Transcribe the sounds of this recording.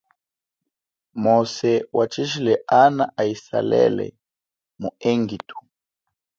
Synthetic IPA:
mɔsɛwʔat͡ʃiʒilɛʔanaʔaisa̰lɛ̰lɛ̰ | muɛŋɡitʰu̥

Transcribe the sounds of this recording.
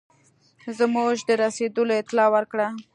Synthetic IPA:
zmuʒd̪əɾased̪əloɪt̪ɪlɑwəɾkɽa

